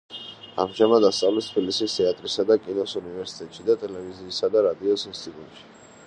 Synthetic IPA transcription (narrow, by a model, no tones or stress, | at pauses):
a̰mʒamad̪d̪ast̪sʼavlist̪ʰbilisist̪ʰɛat̪ʼɾisad̪akʼinɔsunivɛɾsi̥t̪ʼɛt̪ʼʃid̪at̪ʼɛlɛviziːsad̪aɾad̪iɔsinst̪ʼit̪ʼut̪ʼʃi̥